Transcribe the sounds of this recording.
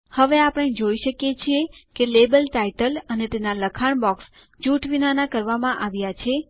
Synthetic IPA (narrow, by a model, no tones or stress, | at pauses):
həʋeapəɽ̃ed͡ʒoiʃəkjet͡ʃʰiekelebəlʈaiʈələnet̪enaləkʰaɳ̃bɔks | d͡ʒuʈʋinanakəɾʋamãʔaʋjat͡ʃʰe